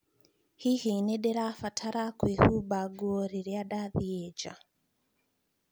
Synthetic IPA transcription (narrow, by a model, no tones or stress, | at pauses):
hihinɛɗɛɾafatʰaɾakwehubaɡuoɾiɾiaɗaðied͡ʒa̰